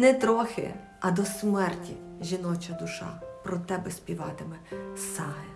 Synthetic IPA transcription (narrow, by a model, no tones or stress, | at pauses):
nɛt̪ɾɔxɪ̰ | ɐd̪ɔsmɛrtʲḭʒʲinɔt͡ʃɐd̪ʊʃɑ̰pɾɔt̪ɛbɛsʲpʲiʋɑt̪ɪmɛsɑɦɛ